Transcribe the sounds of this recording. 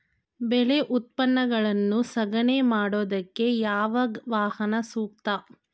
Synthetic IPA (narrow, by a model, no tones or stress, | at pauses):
bɛleʔut̪̚pɐnːɐɡɐɭɐnːusɐɡɐneːmaːɽoːd̪ɐkːe̞jaːʋɐʋaːhɐnɐsuːk̚t̪ɐ